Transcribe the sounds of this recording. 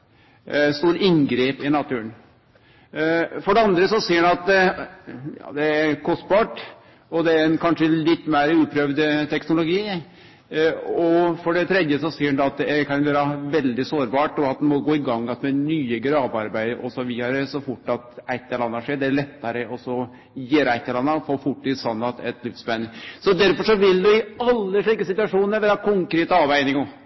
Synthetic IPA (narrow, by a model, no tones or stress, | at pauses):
st̪uːɾɪŋɡɾeːpɪnɑt̪ʰʉːən | fɔɖɛɑnd̪ɾəsɔsiːəɖɛnɑt̪̚ | jɑ̰ːd̪ɛæɾkʰɔst̪bɑːʈ | ɔd̪ɛæɾɛnkʰɑnʂəlɪt̪ːmæɪɾəʉːpʰɾøʋd̪t̪ʰɛknʊlʊɡiː | ɔfɔɖɛt̪ʰɾɛd̪jəsɔsiːɖɛnɛɑt̪̚d̪ɛæɾkʰɑnʋøːɾɑʋɛld̪ɪsoːɾbɑːʈɔɑt̪̚d̪ɛmɔɡoːɪɡɑŋːɑt̪mɛnyːəɡɾɑːbɑɾbæɪd̪əɔsɔʋɪɑɾəsɔfʊʈːɑt̪æɪt̪ːɛlɑnːəʂeːɖɛæɭɛt̪ːɑɾəɔsɔ | jeːɾəæɪt̪ːɛlɑnːɑɔfoːfʊʈːɪsɑnːɑt̪ɛt̪lɪfsbænsɔd̪æɾfɔʂɔʋɪld̪ɛɪɑlːəʂɭiːkəsɪt̪ʉɑʂuːnəɾʋæːɾɑkʰʊŋkɾeːt̪əɑːʋæɪnɪŋɡɔ